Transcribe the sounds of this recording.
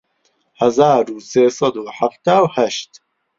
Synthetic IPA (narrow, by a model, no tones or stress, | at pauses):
hɐzaːɾuːseːsɑd̪uːħaft̪aːwhæʃt̪